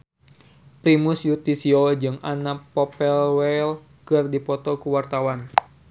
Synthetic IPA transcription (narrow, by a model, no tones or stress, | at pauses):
pɾimusjut̪isiɔd͡ʒɨŋʔanapɔpɛlwɛl | kɨrdipɔt̪ɔkuwart̪awan